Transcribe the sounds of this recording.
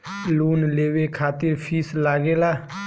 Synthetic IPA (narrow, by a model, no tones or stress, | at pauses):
luːnleːʋekʰaːt̪ɪɾpʰiːslaːɡeːlaː